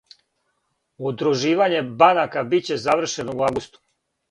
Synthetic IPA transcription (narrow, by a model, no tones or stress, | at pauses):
ud̪ɾuʒiːʋaɲe̞banakabit͡ɕe̞zaʋr̩ʃe̞nouavɡust̪u̥